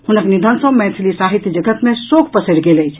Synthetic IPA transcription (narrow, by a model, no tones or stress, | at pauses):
hunəknid̪ʱənsə̃mɛ̃sʰlisaɦit̪jd͡ʒəɡət̪mẽsokʰpəsəɾɡeləjt͡ʃʰ